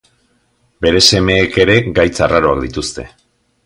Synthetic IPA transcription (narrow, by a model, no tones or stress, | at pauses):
be̞ɾe̞se̞me̞ːke̞ɾe̞ɡajt͡saraɾo̞akd̪it̪ust̪e̞̰